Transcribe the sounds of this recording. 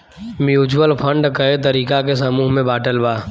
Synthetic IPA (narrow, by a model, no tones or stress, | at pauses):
mjuːt͡ʃwəlpʰə̃ɳɖkɐet̪̬ɐɾiːkakesɐmuːɦmẽbaːʈəlbaː